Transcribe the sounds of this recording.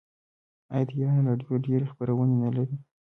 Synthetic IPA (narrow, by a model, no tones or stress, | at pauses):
ajd̪ijɑnaɾɑɖjoɖeɾexpəɾawənenalaɾi